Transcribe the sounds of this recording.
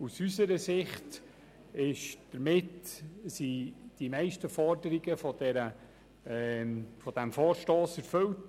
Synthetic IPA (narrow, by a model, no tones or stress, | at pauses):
usysəɾəsɪχt | ɪʃd̥əɾmɪtsid̥imɛɪʃtəfɔɾdəɾiɡəfɔd̥ɛɾə | fɔd̥æmfɔːɾʃtoːsɛɾfɵwt